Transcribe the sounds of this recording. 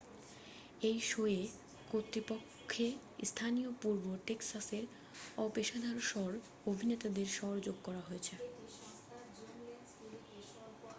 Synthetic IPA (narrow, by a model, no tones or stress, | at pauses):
ejʃoe | kot̪ːɾipokʰːe | st̪ʰanijopuɾboʈeksaseɾ | ɔpeʃad̪ʱaɾʃɔɾ | obʱinet̪ad̪eɾʃɔɾd͡ʑoɡ̚kɔɾaɦoet͡ɕʰe